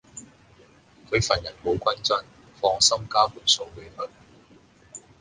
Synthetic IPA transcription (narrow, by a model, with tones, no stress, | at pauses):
kʰɵ˨˧ɥfɐː˨˩njɐ˨˩nmo˨˧wkʷɐ˥nt͡sɐ˥˩n | fɔː˧ŋsɐ˥mkaː˥fuː˨˩nso˧wwe˨˥hɵ˨˩n